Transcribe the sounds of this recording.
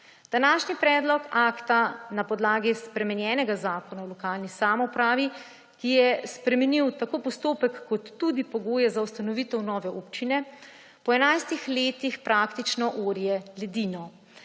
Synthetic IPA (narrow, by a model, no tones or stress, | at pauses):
d̪̥anaːʃnipɾɛːd̪lɔkaːkt̪anapɔd̪laːɡispɾɛmɛnjɛːnɛɡazaːkɔnawlɔkaːlnisamɔpɾaːʋi | kijɛspɾɛmɛniwt̪akoːpɔst̪oːpɛkːɔt̪ːud̪ipɔɡoːjɛzawst̪anɔʋit̪ɛwnɔːʋɛʔupt͡ʃinɛ | pɔɛnajst̪ixleːt̪ixpɾaːkt̪it͡ʃnɔʔoːɾijɛlɛd̪iːnɔ